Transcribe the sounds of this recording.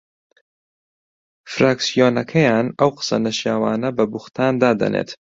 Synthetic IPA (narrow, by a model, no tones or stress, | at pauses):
fɾaːksijoːnɐkʰɐjaːnɐwqɨ̥sɐ̰nɐʃjaːwaːnɐbɐbuxt̪ʰaːnd̪aːd̪ɐ̰nʔḛːt̪